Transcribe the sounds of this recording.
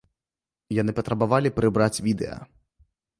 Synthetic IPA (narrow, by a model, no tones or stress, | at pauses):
janɨpɐt̪ɾɐbavalʲipɾɨbɾat͡sʲvʲid̪ɛ̰jɐ̰